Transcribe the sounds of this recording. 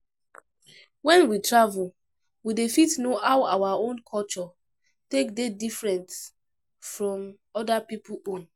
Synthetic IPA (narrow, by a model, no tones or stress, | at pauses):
wɛ̃nwitʰɹavu | widefitnoʔaʊawaõnkʰɔlt͡ʃɔ | tekdedifɹɛ̃nt | fɹɔ̃m | ɔdapipuõn